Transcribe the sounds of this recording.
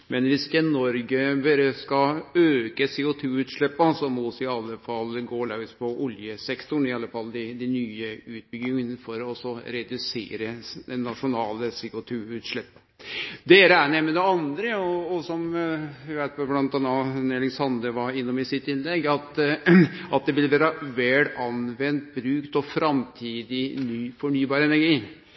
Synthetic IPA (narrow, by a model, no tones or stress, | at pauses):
mɛnʋɪsɪkːənɔɾɡəbeɾəskɑøːkəseːʊt̪ʰʉːʉːt̪ʂɭɛpːəsɔmɔsɪɑlːəfɑlːɡoːɭɑɡspʰɔʔʊljəsɛkt̪ʊɳɪɑlːəfɑld̪ɪd̪ɪnyːəʉːt̪̚bʏɡɪŋənfɔɾɔɔsɔɾɛd̪ʉsḛːɾəd̪ɛnːɑʂʊnɑːləseːʊt̪ʰʉːʉːt̪ʂɭɛpːə | d̪eːɾəæɳɛməd̪ɛɑnd̪ɾəɔɔsɔmɪʋæɪt̪fɑblɑnt̪ɑnːɑnɛlɪŋsɑnd̪əʋɑɪnːɔmɪsɪt̪ːɪnlɛɡːɑt̪ | ɑt̪̚d̪ɛʋɪlʋæːɾəʋɛlɑnʋɛnt̪̚bɾʉːkt̪ɔfɾɑmt̪ʰiːd̪ɪnyːfɔɳyːbɑːɾɛnæɾɡiː